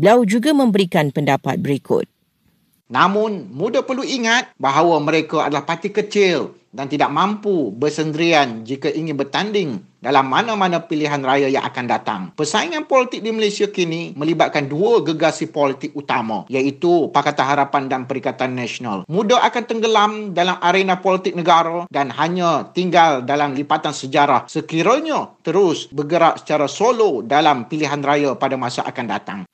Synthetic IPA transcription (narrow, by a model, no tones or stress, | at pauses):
bəliawd͡ʒuɡamə̃mbəɾikanpəndapa̰t̪̚bəɾikʊ̰t̪̚ | namʊ̃nmũdapərluiŋat̪̚baɦawamə̃ɾekaa̰dalahpat̪ikət͡ʃɪl | dant̪idaʔ̚mãmpubərsənd̪əɾiand͡ʒikaʔiŋɪ̃nbərt̪andɪŋ | dalamːanãmanãpiliɦanrajaja̰ŋʔa̰kandat̪a̰ŋpərsaiŋãnpɔlit̪ɪk̚diməlesiakinimə̃libat̪̚kanduəɡəɡasipolit̪ɪk̚ut̪amã̰jait̪upakat̪anɦaɾapandanpəɾikat̪anːɛsona̰lmũdaʔakant̪əŋɡəlamdalamʔaɾenãpolit̪ɪk̚nəɡaɾədanɦaɲãt̪iŋɡaldalamlipat̪ansəd͡ʒaɾahsəkiɾəɲət̪əɾʊsbəɡəɾaʔ̚sə̥t͡ʃaɾasolodalampiliɦanrajapadamasaʔa̰kanda̰t̪a̰ŋ